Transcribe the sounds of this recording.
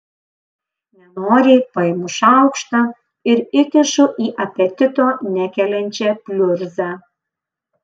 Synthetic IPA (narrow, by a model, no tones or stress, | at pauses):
nʲɛnoːɾʲepɐɪmʊʃɑwkʃt̪ɑ | ɪɾɪkʲɪʃuʔiʔɐpʲɛt̪ʲɪt̪onʲækʲɛlʲɛnʲt͡ɕɛpʲlʲørzɑ